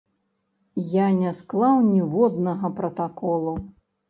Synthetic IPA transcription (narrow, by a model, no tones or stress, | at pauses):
janʲɛsklˠawnʲivɔd̪nɐɣɐpɾɐt̪akɔlˠu